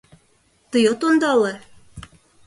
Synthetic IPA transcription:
t̪ɤjot̪ond̪ɑlɤ

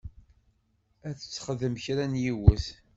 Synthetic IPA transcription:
æθət͡sːχəðəmçɾænjiwəθ

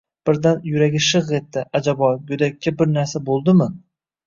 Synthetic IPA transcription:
b̥ɪɾd̪anjʊɾaɡʲɪʃɨʁet̪ːɪʔad͡ʒabɒɡɵd̪akʲʰːabɪɾnaɾsabolˠd̪ɪmɪ

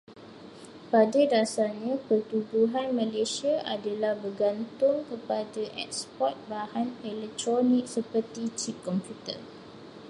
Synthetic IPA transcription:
padadasaɲãpərt̪ubuɦanmə̃lesiaʔadalahbərɡant̪ʊŋkəpadaʔɛ̰k̚spɔt̪̚bahanɛlɛk̚t̪ɾɔnĩk̚səpərt̪it͡ʃip̚kɔmpjut̪ə̰

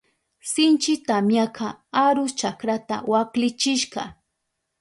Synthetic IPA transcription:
sɪnt͡ʃɪt̪amjakʰɑaɾʊst͡ʃakɾat̪a̰waklɪt͡ʃɪʃqɑ̰

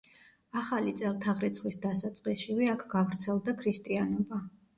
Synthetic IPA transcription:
aχalit̪sʼɛlˠt̪ʰaʁɾit̪sʰχwisd̪asat̪sʼqʼisʃivɛakʰɡavɾt̪sʰɛlˠd̪akʰɾist̪ʼianɔba

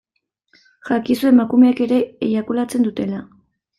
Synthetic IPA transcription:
ʝakisue̞makume̞ake̞ɾe̞ːjakulat͡se̞nd̪ut̪e̞la

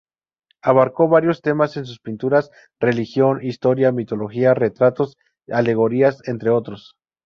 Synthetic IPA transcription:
aβaɾko̞βaɾjo̞st̪e̞mase̞ns̬uspint̪uɾas | re̞lixjo̞nist̪o̞ɾjamit̪o̞lo̞xiare̞t̪ɾat̪o̞s | ale̞ɣo̞ɾiase̞nt̪ɾe̞o̞t̪ɾo̞s

